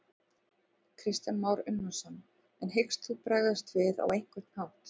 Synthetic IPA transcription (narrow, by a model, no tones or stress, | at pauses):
kʰɾɪst̪ɛnmawɾʏnːasan | ɛnɦejkst̪θupɾaːɣðast̪vɪða̰wejŋ̥kʏɾt̪n̥hawht̪